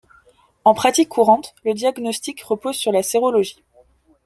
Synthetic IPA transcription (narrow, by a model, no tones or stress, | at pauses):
ɑ̃pχat̪ikʰːuʁɑ̃t̪ləd̪jaɡnɔst̪ikʁəpozsyʁlaseʁɔlɔʒi